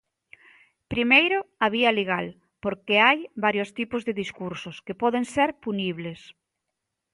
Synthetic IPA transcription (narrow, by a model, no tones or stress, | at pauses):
pɾimejɾoaβ̞ialeɣ̞al | poɾkeajbaɾjost̪ipʊzðeðiskuɾsʊskepɔðeŋseɾpuniβles